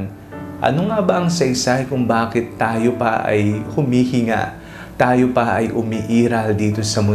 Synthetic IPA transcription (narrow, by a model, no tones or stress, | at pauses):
n | ʔɐ̰noŋɐbɐɐŋsɐʔɪsahɪkʊŋbaːkɪt̪ːaːjopɐʔɐ̰jhʊmiːhɪŋa̰ʔ | t̪aːjo̞pɐʔɐjʔʊmiʔiːɾɐld̪iːt̪o̞sɐmʊ